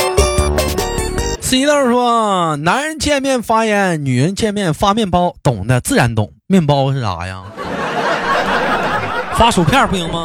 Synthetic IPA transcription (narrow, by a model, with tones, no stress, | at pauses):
s̩˧˥i˧˥t̪ə˥˧ʂwɔ˥na˧˥nɻə˧˥nt͡ɕjɛ˥˧nmjɛ˥˩nfa˥jɛ˧˥nny˨˩ɻə˧˥nt͡ɕjɛ˥˧nmjɛ˥˩nfa˥mjɛ˥˩npɑ˥ʊt̪ʊ˨˩ŋd̪ə˧t͡sɹ̩˥˩ɻa˧˥nt̪ʊ̰˨˩˦ŋmjɛ˥˩npɑ˥ʊʂɻ̩˥˩la̰˨˩jɐ̰˧ | fa˥ʂo˨˩ʊpʰjɑ˥˧pu˥˩i˧˥ŋmɐ˧